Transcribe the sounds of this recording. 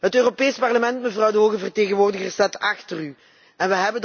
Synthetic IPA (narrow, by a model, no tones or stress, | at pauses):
ɦətøːropeːjspɑrləmɛntməvrɑwdəɦoːɣəvərteːɣənʋoːrdəɣərsɛtɑxtəry | ɛnʋəɦɛbən